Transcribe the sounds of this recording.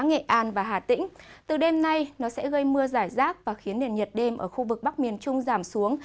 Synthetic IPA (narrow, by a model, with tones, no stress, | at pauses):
ŋḛ˧˨ʔaː˧nvaː˨˩ɦaː˨˩t̪ḭ̈˧˥ŋ̟t̪ɨ˨˩ɗe˧mna˧jnɔ˨˦sɛ̰˧˥ɣə˧jmɨ˧əzaː˧˩jzaː˦˥k̚vaː˨˩xi˨˦ənɗḛ˧˩nɲə˨˩t̚ɗe˧mʔəː˧˩xu˧vɨ˨˩k̚ɓa˦˥k̚mi˨˩ənt͡ɕʊ˧ŋ͡mzaː˧˩msu˨˦əŋ